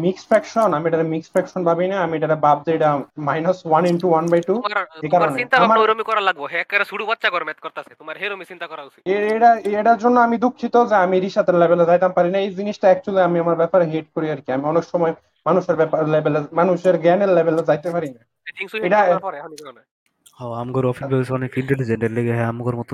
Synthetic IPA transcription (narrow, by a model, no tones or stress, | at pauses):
miksfʰɾɛkʃonamieʈaɾamiksfʰɾɛkʃɔnbʱabinaamiʈaɾabab̚d͡ʑeeʈamajnaswaninʈuwanbajʈuekaɾoneint̪aamaɾoɾomikɔɾalaɡboɦeɛkkaɾeʃuɽubatːʃakɔɾmet̪̚kɔɾt̪aset̪omaɾɦeɾomit͡ɕint̪akɔɾausʰieeʈaeʈaɾd͡ʑonːoamid̪ukʰːit̪ozeamiɾiʃad̪eɾlebelezajt̪ampaɾinaejd͡ʑiniʃʈaɛk̚t͡ɕuliamiamaɾbɛpaɾeɦeʈ̚koɾiaɾkiamiɔnekʃɔmɔe | manuʃeɾbɛpaɾlebelemanuʃeɾɡɛneɾlebeled͡ʑajt̪epaɾina | eiŋsueʈaɔɾnɾne | hɔamɡɔɾɔfibɛbsɔnekiɳʈeɖid͡ʑeɳɖeɾleɡeɦɛamɡɔɾmɔt̪